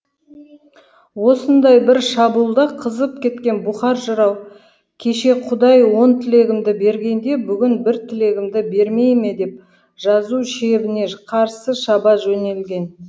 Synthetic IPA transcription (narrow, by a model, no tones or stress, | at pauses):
wo̞sənd̪ɑjbɪɾʃɑbulˠd̪ɑqʰəzəp̚kʲe̞t̪kʲe̞nbʊχɑɾʒəɾɑw | kʲʰe̞ʃe̞qʰʊd̪ɑjwo̞nt̪ʰɪle̞ɡʲɪmd̪ɪbe̞ɾɡʲe̞nd̪e̞bʏɡʲɪnbɪɾt̪ʰɪle̞ɡʲɪmd̪ɪbe̞ɾme̞jme̞d̪e̞p̚ | ʒ̥ɑzuʃe̞bɪne̞qʰɑɾsəʃɑbɑʒɵne̞lɡʲe̞n